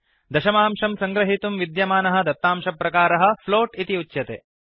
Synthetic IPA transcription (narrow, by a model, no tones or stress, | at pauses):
d̪ɐʃɐmaːmʂɐmsɐŋɡɾɐɦit̪umʋid̪jɐmaːnɐɦɐ̆d̪ɐt̪ːaːmʂɐpːɾɐkaːɾɐɦɐ̆floːʈit̪iut͡ʃːjɐt̪ḛː